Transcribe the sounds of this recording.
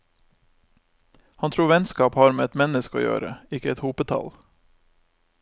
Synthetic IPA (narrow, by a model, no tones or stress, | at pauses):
hɑnt̪ʰɾuːʋɛnskɑːphɑːɾmeːɛt̪mɛnəskəo̰ːjø̰ːɾə̰ɪkəɛt̪huːpət̪ʰɑ̰l